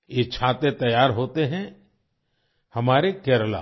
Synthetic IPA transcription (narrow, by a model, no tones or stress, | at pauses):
jet͡ʃʰaːt̪et̪ɐjaːɾɦoːt̪eɦɛ̃ | hɐmaːɾekɛːɾla̰ː